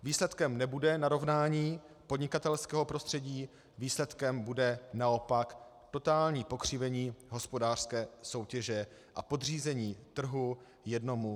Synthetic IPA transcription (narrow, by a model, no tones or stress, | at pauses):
viːslɛt̪kɛmnɛbudɛnaɾo̞vnaːɲiː | podɲɪkat̪ɛlskɛːɦo̞pɾo̞st̪r̝̥ɛɟiː | viːslɛt̪kɛmbudɛnao̞pak | t̪o̞t̪aːlɲiːpo̞kr̝̥ɪvɛɲiːɦo̞spo̞daːr̥skɛːso̞wcɛʒɛ | ʔapo̞d̪r̝iːzɛɲiːt̪r̩ɦu | jɛdno̞mu